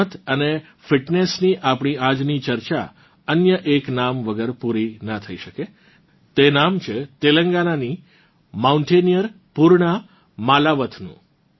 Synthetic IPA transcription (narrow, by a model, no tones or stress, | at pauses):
ət̪ʰəne | fɪʈnesniʔapɳ̃iad͡ʒnit͡ʃəɾt͡ʃa̰ | ənjəʔeknamʋəɡəɾpuɾinat̪ʰəiʃəke | t̪enamt͡ʃʰet̪eləŋɡanani | mauɳʈenijəɾ | puɾɳa | malaʋət̪ʰnṵ̃